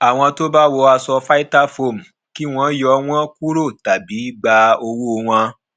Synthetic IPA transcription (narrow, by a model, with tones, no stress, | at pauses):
a˨w̃ɔ̃˧to˦ba˦wo˧a˧sɔ˧fa˦i˦ta˦fo˦˨m̩˨ | ki˦w̃ɔ̃˦jɔ˧˦w̃ɔ̃˦ku˦ɾo˦˨ta˨bi˨˦ɡ͡ba˧o˧wu˦o˧w̃ã˧